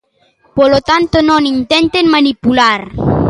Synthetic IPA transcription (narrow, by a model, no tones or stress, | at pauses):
polot̪ant̪onõnint̪ent̪enmanipulaɾ